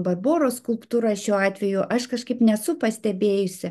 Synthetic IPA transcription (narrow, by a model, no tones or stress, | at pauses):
bɐrboːɾoːskʊlˠpt̪uːɾɑʃʲuːɑːt̪ʲʋʲɛjʊʔɐʃkɐʃkɐɪpnʲɛsʊpɐsʲt̪ʲɛbʲeːjʊsʲɪ